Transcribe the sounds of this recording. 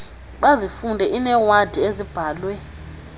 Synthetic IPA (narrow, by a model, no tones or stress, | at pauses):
ɓazifundʱɛʔinɛwad̥ʱiezib̥ʱaːlwɛ